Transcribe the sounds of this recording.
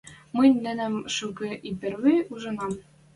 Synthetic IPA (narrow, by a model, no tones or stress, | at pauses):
mɤjnʲnɘ̆næ̆mʃukɤ̆ʔipɘ̆rwijuʒɤ̆nɑm